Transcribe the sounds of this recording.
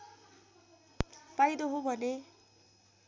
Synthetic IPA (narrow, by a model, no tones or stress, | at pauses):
pajd̪oɦobʱʌne